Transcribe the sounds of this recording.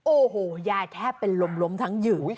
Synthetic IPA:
ʔoː˨˧˩hoː˨˩jaː˧˩jt̪ʰɛː˥˩pːe˧nlo˧mlo˦˥mt̪ʰa˦˥ŋjɯː˨˩

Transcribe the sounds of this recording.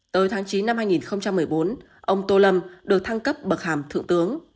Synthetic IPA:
t̪əː˨˦jt̪ʰaː˨˦ŋt͡ɕi˨˦nːa˧mhaː˧jŋi˨˩nxə˧wŋ͡mt͡ɕa˧mːɨ˨˩əjɓo˨˦n | ʔə˧wŋ͡mt̪o˧lə˧mɗɨ˨˩ək̚t̪ʰa˧ŋkə˦˥p̚ɓə˨˩t̚haː˧˩mt̪ʰɨ̰˧əŋt̪ɨ˨˦əŋ

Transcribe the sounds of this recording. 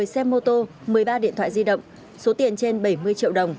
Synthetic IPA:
əjsɛ˧mːo˧t̪o˧ | mɨ˨˩əjɓaː˧ɗḭ˧˨ənt̪ʰwa̰ː˧˨˩zi˧ɗə̰˧˨wŋ͡m | so˨˦t̪i˨˩ənt͡ɕe˧nɓə˧˩jmɨ˧əjt͡ɕḭ˧˨əwɗə˨˩wŋ͡m

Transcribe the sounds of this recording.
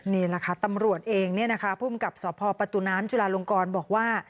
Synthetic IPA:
niː˥˩la˧kʰa˧˥t̪a˧mɾu˨˩ət̪̚ʔeː˧ŋni˥˩əna˦˥kʰa˦˥pʰuː˥˩mka˨˩p̚sɔː˨˩˦pʰɔː˧pa˧t̪u˨˩naː˦˥mt͡ɕu˧laː˧lo˧ŋkɔː˧nbɔː˨˩k̚waː˥˩

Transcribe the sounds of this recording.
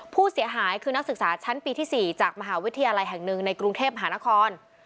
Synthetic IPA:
pʰuː˥˩si˨˩˦ɐɦaː˩˦jkʰɯː˧na˦˥k̚sɯ˨˩k̚saː˩˦t͡ɕʰa˦˥npiː˧t̪ʰiː˥˩siː˨˩t͡ɕaː˨˩k̚ma˧ɦaː˩˦wi˦˥t̪ʰːjaː˧la˧jɦɛ˨˩ŋnɯ˨˩ŋna˧jkɾu˧ŋt̪ʰeː˥˩p̚ma˧ɦaː˩˦na˦˥kʰɔː˧n

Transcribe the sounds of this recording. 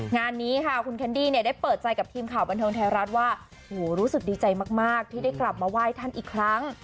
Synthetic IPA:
ŋaː˧nːiː˦˥kʰa˥˩kʰu˧nkʰɛ˦˥ndiː˥˩ni˥˩ɐdaː˥˩jpɤː˨˩t̪̚t͡ɕa˧jka˨˩p̚t̪ʰiː˧mkʰaː˨˩wba˧nt̪ʰɤː˧ŋt̪ʰɛː˧ɾa˦˥t̪̚waː˥˩ | ʔhoː˨˩ɾuː˦˥sɯ˨˩k̚diː˧t͡ɕa˧jmaː˥˩k̚maː˥˩k̚t̪ʰiː˥˩da˥˩jkla˨˩p̚maː˧waː˥˩jt̪ʰa˥˩nʔiː˨˩kʰɾa˦˥ŋ

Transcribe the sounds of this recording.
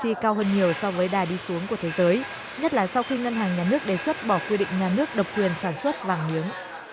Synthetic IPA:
i˧kaː˧wɦəː˧nɲi˨˩əwsɔ˧vəː˨˦jɗaː˨˩ɗi˧su˨˦əŋku˧˩ət̪ʰe˨˦zəː˨˦j | ɲə˦˥t̚laː˨˩sa˧wxi˧ŋə˧nɦaː˨˩ŋɲaː˨˩nɨ˦˥ək̚ɗe˨˩swə˦˥t̚ɓɔ˧˩kwi˧ɗḭ̈˧˨ŋ̟ɲaː˨˩nɨ˦˥ək̚ɗə˨˩wk͡p̚kwi˨˩ənsaː˧˩nswə˦˥t̚vaː˨˩ŋmi˨˦əŋ

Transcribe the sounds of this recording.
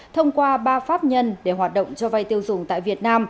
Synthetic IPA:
t̪ʰə˧wŋ͡mkwaː˧ɓaː˧faː˦˥p̚ɲə˧nɗe˧˩ɦwaː˨˩t̚ɗə̰˧˨ŋ͡mt͡ɕɔ˧va˧jt̪i˧əwzʊ˨˧˩ŋ͡mt̪a̰ː˧˨vi˨˩ət̚naː˧m

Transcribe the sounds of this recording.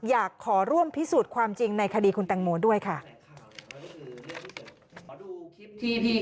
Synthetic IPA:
jaː˨˩kʰːɔː˩˦ɾu˥˩əmpʰi˦˥suː˨˩t̪̚kʰwaː˧mt͡ɕi˧ŋna˧jkʰa˧diː˧kʰu˧nt̪a˧ŋmoː˧du˥˩əjkʰa˥˩˧

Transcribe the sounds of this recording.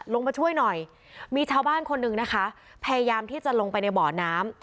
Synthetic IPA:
lo˧ŋpa˧jt͡ɕʰu˥˩əjnɔ˨˩j | miː˧t͡ɕʰaː˧wbaː˥˩nkʰo˧nːɯ˨˩ŋna˦˥kʰa˦˥ | pʰa˧ja˧jaː˧mt̪ʰiː˥˩t͡ɕa˨˩lo˧ŋpa˧jna˧jbɔː˨˩˦naː˦˥m

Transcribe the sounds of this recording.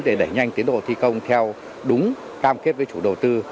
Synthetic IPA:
ɗe˧˩ɗə˧˩jɲa˧jŋ̟t̪i˨˦ənɗo̰˧˨t̪ʰi˧kə˧wŋ͡mt̪ʰɛ˧w | ɗʊ˨˦ŋ͡m | kaː˧mke˦˥t̚vəː˨˦jt͡ɕṵ˧˩ɗə˨˩wt̪ɨ˧

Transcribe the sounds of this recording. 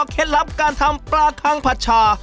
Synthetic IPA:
kʰe˦t̪lɐ˦p̚ka˧nt̪ʰɐ˧mpɾaː˦kʰa˦ŋpʰɐ˧t̪̚t͡ʃʰa˧

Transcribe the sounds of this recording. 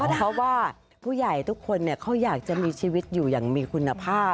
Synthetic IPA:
kɔː˥˩ɔ˦˥waː˥˩ | pʰuː˥˩ja˨˩jt̪ʰu˦˥kʰːo˧nːi˥˩ɐkʰa˦˥˩wjaː˨˩k̚t͡ɕa˨˩ʔmiː˧t͡ɕʰiː˧wi˦˥t̪̚juː˨˩jaː˨˩ŋmiː˧kʰu˧nːa˧pʰaː˥˩

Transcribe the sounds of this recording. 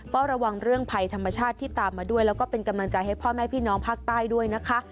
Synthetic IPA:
fɔː˦˥ɾa˧wa˧ŋɾɯ˥˩əŋpʰa˧jt̪ʰa˧mːa˧t͡ɕʰaː˥˩t̪ʰːiː˥˩t̪aː˨˩mːaː˧du˥˩əjlɛː˦˥wkɔː˥˩pe˧nka˧mla˧ŋt͡ɕa˧jha˥˩jpʰɔː˥˩mɛː˥˩pʰiː˥˩nɔː˦˥ŋpʰaː˥˩k̚t̪aː˥˩jdu˥˩əjna˦˥kʰa˦˥ʔ

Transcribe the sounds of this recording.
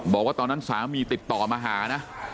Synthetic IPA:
bɔː˨˩kwaː˥˩t̪ɔː˧nːa˦˥nsaː˩˦miː˧t̪i˨˩t̪ːɔː˨˩maː˧ɦaː˩˦na˦˥

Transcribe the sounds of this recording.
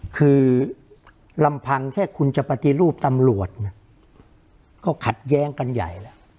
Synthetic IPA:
kʰɯː˧ | la˧mpʰa˧ŋt̪ʰɛː˥˩kʰu˧nt͡ɕa˨˩pa˧t̪i˧˨ɾuː˥˩p̚t̪a˧mɾu˨˩ət̪̚na˧˥˩ | kɔː˥˩kʰa˨˩t̪̚jɛː˦˥ŋka˧nja̰˨˩jlɛ˦˥

